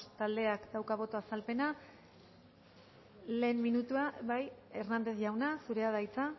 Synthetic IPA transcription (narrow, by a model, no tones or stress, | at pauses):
t̪ald̪e̞akd̪awkaβ̞o̞t̪oasalpe̞na | le̞ːmːinut̪uaβaje̞rnand̪e̞θʝawnasuɾe̞aðajt͡sa